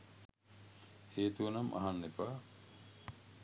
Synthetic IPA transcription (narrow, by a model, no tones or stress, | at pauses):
heːt̪uɐnɐmʔɐ̰ɦanːepaː